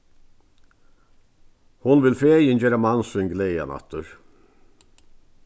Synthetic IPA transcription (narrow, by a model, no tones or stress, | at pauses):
hʊnʋɪlfeːjənjeːɾəmɑnsʏŋɡlejə̰nɑ̰t̪ʰəɹ